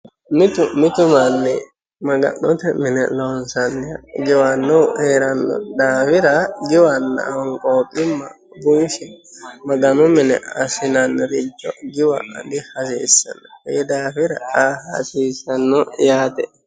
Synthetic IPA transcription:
mɪt̪ʊmɪt̪ʊmanːɛ | mɐɡɐ̰nːɔt̪ɛmɪnɛ̰lɔnsɐnːɛjɡɪwanːɔweːɾɐnːɔ̰d̪aːfɪɾɐɡɪwanːɐ̰ɔŋkʼoːkʼːɪmːɐ̰ | bʊnʃɛmɐɡɐnʊmɪnɛ̰ɐsɪnɐnːɾɪd͡ʒːɔɡɪwɐ̰ɐ̰d̪ɪhɐs̬ḭːsːɐ̰nɔjɛd̪aːfɪɾɐahɐ̰siːsɐnːɔjaːt̪ɛ

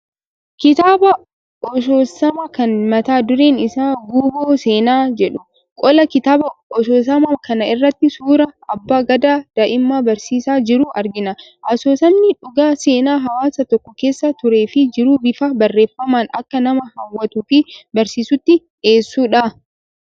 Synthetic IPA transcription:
kɪt̪aːbɐ | ɔsoːsɐmɐkɐnmɐt̪aːd̪ʊɾeːnɪsaːɡuːboːseːnaːd͡ʒɛᶑʊ | kʼɔlɐkɪt̪aːbɐɔsoːs̬ɐmɐkɐnɐɪrːɐt̪ːɪsuːɾɐʔɐbːaːɡɐd̪aːd̪̥ɐʔɪmːaːbɐɾsiːsaːd͡ʒɪɾuːʔɐɾɡɪnɐ | ʔɐsoːsɐmnɪᶑʊɡaːseːnaːɦɐwaːsɐt̪ɔkːɔke̞ːsːɐt̪ʊɾeːfɪd͡ʒɪɾuːbɪfabɐrːe̞ːfːɐmaːnɐkːɐnɐmɐhɐwːɐt̪uːfɪbɐɾsiːsʊt̪ːɪ | eːsːuːᶑa

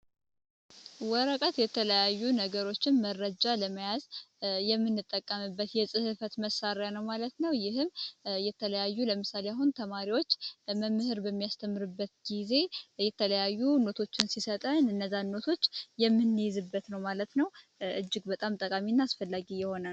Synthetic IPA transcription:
wɔɾəkʼət̪jɛt̪ʰələjajːunəɡəɾo̞t͡ʃːɪnmərːəd͡ʒaləməjazjɛmːɨnːɨt̪ʼːəkʼːəmɨbːət̪jɛsʼɨhɨfət̪məsaɾjanəwmalət̪nəwjɪhɨmjɛt̪ʰələjajːuləmɨsalejaɦunt̪ʰəmaɾiwo̞t͡ʃːməmːɨhɨɾbəmːijast̪ʰəmːɨɾɨbːət̪ɡ̥ize̞jɛt̪ʰələjajːuno̞t̪ʰo̞t͡ʃːɪnsisət̪ʼənɨnːəzːanːo̞t̪ʰo̞t͡ʃːjɛmːɨnːjɪzɨbːət̪nəwmalət̪nəw | ʔɨd͡ʒːɪɡbət̪ʼamt̪ʼəkʼaminːaasfəlːaɡijɛho̞nə

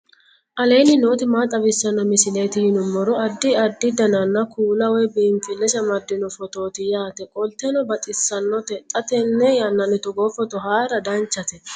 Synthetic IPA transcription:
ʔɐleːnɪno̞ːt̪ɪmaːt̪ʼɐbɪsːɐnːɔmɪsɪleːt̪ɪjɪnʊmːɔɾɔɐd̪ːɪɐd̪ːɪd̪ɐnɐnːɐkuːlɐwɔjbiːmfɪlːɛʃɐmɐd̪ːɪnɔfɔt̪o̞ːt̪ɪjaːt̪ɛkʼɔlt̪ːɛnɔbɐt̪ʼɪsːɐnːɔt̪ɛt̪ʼːɐt̪ɛnːɛjɐnːɐnɪt̪ɔɡɔːfɔt̪ɔɦaːɾɐd̪ɐnt͡ʃːɐt̪ɛ

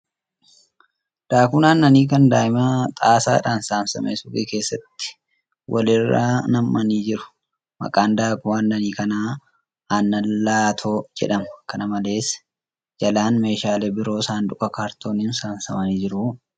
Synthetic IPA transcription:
d̪̥aːkʊnaːnːɐniːkɐnd̪aːjɪmɐt̪ʼaːsa̰ːᶑaːnsaːnsɐ̰mʔḛsʊɡḛːke̞ːsːɐt̪ːɪ̥ | wʔɐlɪrːa̰ːnɐmːɐniːd͡ʒɪɾʊ̥ | mɐ̰kʼaːnd̪aːkʊmaːnːɐniːkɐnaː | nːɐlːaːt̪ʰoːd͡ʒɛ̰ᶑɐmɐkɐnɐmɐle̞ːs | d͡ʒɐlaːnme̞ːʃaːlebɪɾo̞ːsaːnᶑ̪ʊkʼɐkaːɾt̪o̞ːniːnsaːnsɐmɐniːd͡ʒɪɾʊ

